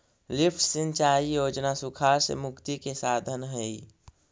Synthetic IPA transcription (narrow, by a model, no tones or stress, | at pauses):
lɪpʰʈsə̃nt͡ʃaːijoːd͡ʒnasʊkʰaːɾsḛmʊkt̪ikesaːd̪ʱənɦɛi